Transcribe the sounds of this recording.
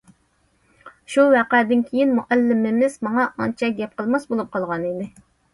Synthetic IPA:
ʃuwæqɛd̪ɪnkʲʰejinmuʔɛlːɪmɪmɪz̥mɑŋɑʔɑnt͡ʃʰɛɡʲɛp̚qʰəlˠmɑsbolˠup̚qʰɑlˠʁɑnid̪ɪ

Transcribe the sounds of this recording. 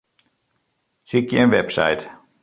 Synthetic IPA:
sikjənʋɛpsa̰jt

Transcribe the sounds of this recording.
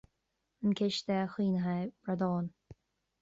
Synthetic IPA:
ənkʲʰɪʃd̪ɛxiːnɦajb̥ɾad̪ɔːn

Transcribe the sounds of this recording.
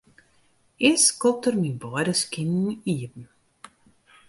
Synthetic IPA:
ɪskɔp̚tərmibɔədəskɪniət̚n̩

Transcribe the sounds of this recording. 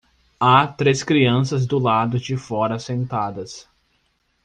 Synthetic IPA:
at̪ɾeskɾiɐ̃sɐzd̪ʊlad̪ʊd͡ʒɪfɔɾɐsẽnt̪ad̪ɐs

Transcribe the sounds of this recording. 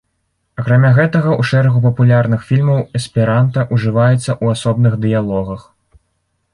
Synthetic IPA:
ɐkɾamʲaɣɛt̪ɐɣɐuʂɛɾɐɣupɐpulʲarnɨxfʲilʲmɐwɛspʲiɾant̪ɐʔuʐɨvajɛt̪sːɐʔuasɔbnɨɣd̪ɨjalˠɔɣɐx

